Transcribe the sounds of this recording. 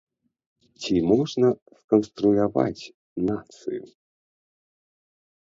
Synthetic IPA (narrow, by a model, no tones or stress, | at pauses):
t͡sʲimɔʐnɐskɐnst̪ɾulʲava̰t͡sʲ | nat̪sɨ̰ju